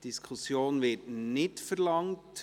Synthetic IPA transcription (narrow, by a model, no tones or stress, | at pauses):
d̥iskʰusjoːnvɪtnɪtfɛɾlɑŋt